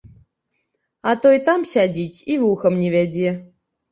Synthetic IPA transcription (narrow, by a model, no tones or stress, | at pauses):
at̪ojt̪amsʲad͡zʲitʲivuxəmnʲivʲæd͡zʲe